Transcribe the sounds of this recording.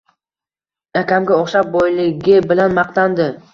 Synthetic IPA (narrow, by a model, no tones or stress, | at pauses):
akʲamɡʲaɒχʃap̚bɒjlɪɡʲɪbɪlanmɑq̚t̪and̪ɪ